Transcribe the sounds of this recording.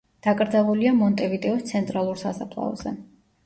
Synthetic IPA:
d̪̥akʼɾd̪zavuliamɔnt̪ʼɛvit̪ʼɛɔst̪sʰɛnt̪ʼɾalˠuɾsasapʰlˠa̰ɔ̰z̥ɛ

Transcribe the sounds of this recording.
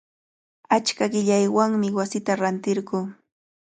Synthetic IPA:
at͡ʃkaɢɪʎajwaŋmɪwasɪt̪aɾant̪ɪɾɢuː

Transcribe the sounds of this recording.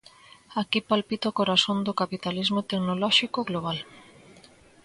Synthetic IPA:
akipalpit̪okoɾasond̪okapit̪alizmot̪eknolɔʃikoɣloβ̞al

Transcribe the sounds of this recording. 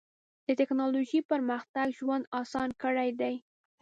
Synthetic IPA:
d̪̥ət̪ɪknɑloʒipəɾməxt̪aɡʒwand̪ɑsɑnkəɽajd̪aj

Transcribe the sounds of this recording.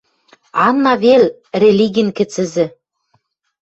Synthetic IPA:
ɑnːɑβel | rʲelʲiɡʲinkɘ̆t͡sɘ̆zɘ̆

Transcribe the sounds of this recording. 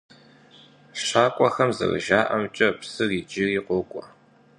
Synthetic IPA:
ʂaːkʷʼɔxɐmzɨ̰rɨ̰ʒaːʔɐmt͡ʃʼɐpsɨriːd͡ʒɪriːqʷʊkʷʼɔ

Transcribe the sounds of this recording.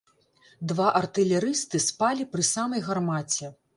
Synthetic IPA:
d̪vaʔɐrt̪ɨlʲɛɾɨst̪ɨspalʲipɾɨsamɐjɣarmat͡sʲɛ

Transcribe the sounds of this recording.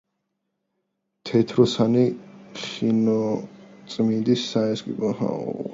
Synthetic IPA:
t̪ʰɛt̪ʰɾɔsaniχinɔt̪sʼmind̪isːaɛskʼḭbɔha̰ṵ

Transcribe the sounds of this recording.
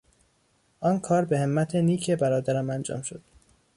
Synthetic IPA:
ʔɒːnkʰɒːɾbehemːæt̪ʰeniːcʰebæɾɒːd̪æɾæmænd͡ʒɒ̰ːmʃo̞d̪̥

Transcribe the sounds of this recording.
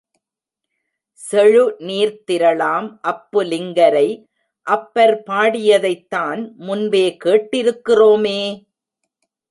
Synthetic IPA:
sɛɻɯniːɾt̪ɪɾɐɭaːmʔɐpːɯlɪŋɡɐɾɐɪ | ʔɐpːɐɾpaːɽɪjɐðɐɪt̪ːaːnmʊnbeːkeːʈːɪɾɯkːɪroːmeː

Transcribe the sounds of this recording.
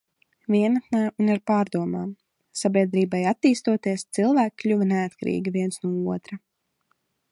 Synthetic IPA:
vʲiɛnat̪naːuniɾpaːɾd̪uɔmaːm | sabʲiɛd̪ɾiːbajat̪ːiːst̪uɔt̪iɛst̪silˠvæːkkːlʲuvaneat̪kaɾḭːɡʲiviɛnsnuɔuɔt̪ɾa

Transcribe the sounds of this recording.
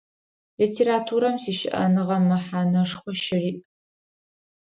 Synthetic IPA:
litʰeːɾatʰuːɾɐmsiːʃɪʔɐ̰nɨʁɐmːɐħanɐʂχʷɔʃɪriːʔʼ

